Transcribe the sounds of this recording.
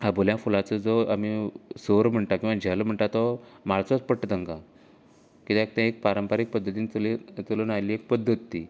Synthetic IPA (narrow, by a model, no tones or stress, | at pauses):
aboljãfulat͡səd͡zɔamisoɾm̤əɳʈakĩw̃ʋad͡ʑʱɛlm̤əɳʈ̪at̪ɔmaɭt͡sɔt͡spəʈːət̪əŋkã | kit̪ẽek̚t̪ɛ̃ek̚paɾəmpaɾik̚pəd̪ʱːət̪iːnlt̪ələnajliek̚pəd̪ʱːət̪ːi